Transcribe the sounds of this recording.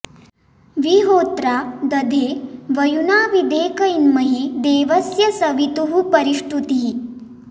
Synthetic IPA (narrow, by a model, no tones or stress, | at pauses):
ʋiɦot̪ɾad̪əd̪ʱeʋəjunaʋid̪ʱekəjinməɦid̪eːʋəsjəsəʋit̪uɦupəɾiʂʈut̪iɦi